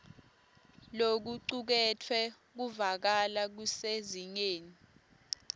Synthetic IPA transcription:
lok̬uǀuk̬ɛtʰwɛ | k̬uvak̬alak̬useziɲeːni

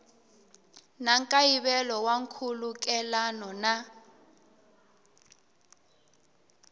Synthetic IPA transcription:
naŋkʼajiβɛlɔwaŋkʰuluk̬ʼɛlanɔna

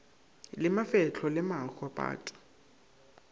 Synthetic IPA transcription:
lɪmafɛt͡ɬʰɔlɪmaxɔpʼa̰ːtʼḁ

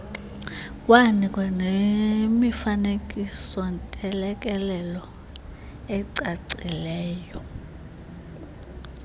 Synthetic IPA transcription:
kʼwanikʼwanemifanekʼisɔntʼɛlɛkʼɛlɛlɔ | ɛǀaǀilɛːjɔ

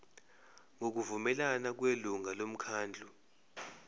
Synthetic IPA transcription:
ŋok̬uvumɛlanak̬weluŋalom̩kʰaːnd͡ɮʱu

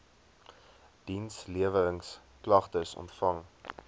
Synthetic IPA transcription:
d̥insliəvəɾəŋs | klɐχtəsɔ̰ntfɐŋ

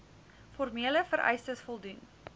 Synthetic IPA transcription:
fɔrmiələfəɾʔɛ̰jstəsfɔlˠdun

